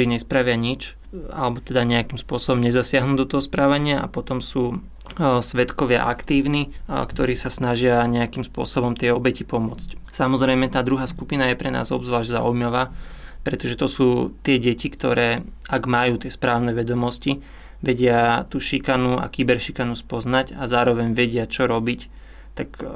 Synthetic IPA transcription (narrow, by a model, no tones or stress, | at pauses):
ɾiːɲɛspɾaʋɪaɲit͡ʃ | a̰lɛbɔt̪ɛd̪aɲɛakimspʊɔsɔbɔmɲɛzasɪaɦnuːɟd̪ɔt̪ɔɦɔspɾaːʋaɲɪaʔa̰pɔt̪ɔmsuː | sʋɛt̪kɔʋɪa̰ʔa̰kt̪iːʊnikt̪ɔɾiːsasnaʒɪaɲɛakiːmspʊɔ̰sɔbɔmt̪ɪɛɔbɛcipɔmʊɔt͡scsamɔzɾɛjmɛt̪aːd̪ɾuɦaːskupinajɛpɾɛna̰ːzɔ̰bzʋaːʒɟza̰ujmaʋaːpɾɛt̪ɔʒɛt̪ɔsuːt̪ɪɛɟɛcikt̪ɔ̰ɾɛːʔaɡmajuːt̪ɪɛspɾaːʊnɛʋɛd̪ɔmɔsci | ʋɛɟɪat̪uːʃikanua̰kibɛɾʃikanuspɔznaɟazaːɾɔʋɛɲʋɛɟɪat͡ʃɔɾɔbic | t̪ak